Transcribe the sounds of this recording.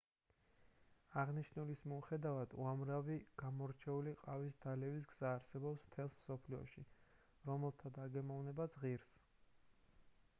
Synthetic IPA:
aʁniʃnulismiuχɛd̪avad̪uamɾaviɡ̥amɔɾt͡ʃʰɛuliqʼavisd̪alɛvis̬ɡz̥aːɾsɛbɔpsmt̪ʰɛlˠsmsɔpʰliɔ̰ʃi | ɾɔmɛlˠt̪ʰad̪aɡɛmɔvnɛbad̪z̥ʁiɾs

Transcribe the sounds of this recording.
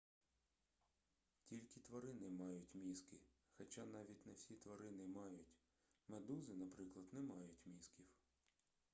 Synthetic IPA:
tʲilʲkʲɪt̪ʋɐɾɪnɛmɑjʊtʲmʲiskɪ | xɐt͡ʃɑnɑʋʲitʲnɐwsʲit̪ʋɐɾɪnɛmɑjʊtʲ | med̪uzɪnɐpɾɪklˠɐd̪nɛmɑjʊtʲmʲiskʲiw

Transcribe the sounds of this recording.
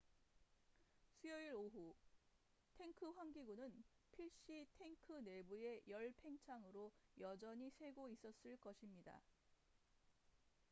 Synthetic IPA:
sʰujʌiɾoɦu | tʰe̞ŋkʰɯɸwaŋɡiɡunɯnpʰiɭɕ͈itʰe̞ŋkʰɯne̞bue̞jʌɭpʰe̞ŋt͡ɕʰaŋɯɾojʌd͡ʑʌɲisʰe̞ɡois͈ʌs͈ɯɭk͈ʌɕʰimɲida̰

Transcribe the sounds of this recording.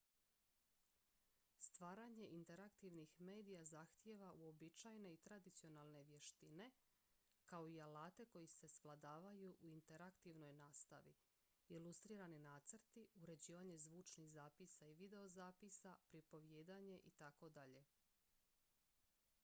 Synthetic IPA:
st̪ʋaːɾaɲe̞ʔint̪e̞ɾakt̪iʋnixme̞ːd̪ijazaxt̪je̞ʋaʔuo̞bit͡ʃajne̞it̪ɾad̪it̪sio̞nalˠne̞ʋje̞ʃt̪ine̞ | kao̞ialaːt̪e̞ko̞jise̞sʋlˠad̪aːʋajuʔuint̪e̞ɾakt̪iʋno̞jnaːst̪a̰ʋḭ | ilust̪ɾiːɾaninaːt̪sɾt̪iuɾe̞d͡ʑiːʋaɲe̞zʋuːt͡ʃnixzaːpisaiʋid̪e̞o̞zaːpisapɾipo̞ʋjeːd̪aɲe̞ʔit̪ako̞d̪aʎe̞

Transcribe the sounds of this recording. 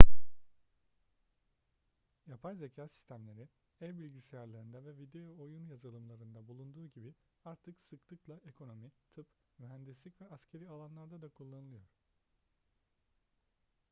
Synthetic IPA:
japʰajze̞cʰaːsi̥st̪ʰæmlʲe̞ɾi | ɛvbilʲɟisejaɾlˠaɾɯnd̪avɛvid̪e̞joojunjazalˠɯmlˠaɾɯnd̪abulˠund̪uːɟibi | aɾt̪ʰɯksɯklˠɯklˠaʔe̞kʰo̞no̞mit̪ʰɯp | myɦænd̪islʲicvɛʔascʰe̞ɾialˠanlˠaɾd̪ad̪akʰulˠːanɯlˠɯjo̞ɾ̥

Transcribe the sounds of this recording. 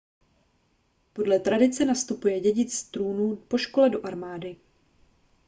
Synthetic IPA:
po̞dlɛt̪ɾadɪt͡sɛnast̪upujɛɟɛɟɪt͡sst̪ɾuːnuːpo̞ʃko̞lɛdo̞ʔaɾmaːdɪ

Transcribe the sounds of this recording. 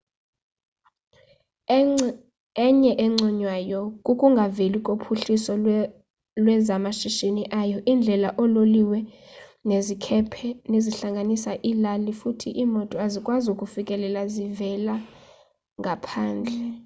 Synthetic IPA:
ɛɲɛʔɛŋ͡ǀɔɲwajɔkʼukʼuŋɡʱavelikʼopʰuɬisɔ | lwɛzamaʃiʃeniʔajɔʔind͡ɮʱɛlaʔɔloliwɛ | nezikʰɛpʰɛneziɬaŋɡʱanisaʔilalifutʰiʔimɔtʼɔazikʼwazukʼufikʼɛlɛlazivɛla | ŋɡʱapʰaːnd͡ɮʱɛ

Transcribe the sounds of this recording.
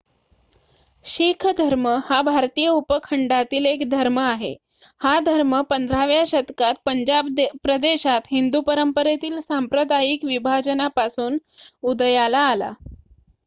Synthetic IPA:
ɕikʰd̪ʱəɾməhabʱaɾt̪ijəupəkʰəɳɖat̪iːlekd̪ʱəɾməaɦḛ | had̪ʱəɾməpənd̪ʱɾaʋjaɕət̪kat̪̚pəɲd͡ʑab̪pɾəd̪eɕat̪ɦind̪upəɾəmpəɾet̪iːlsampɾəd̪ajikʋibʱad͡ʑənapasuːnud̪əjalaːla̰

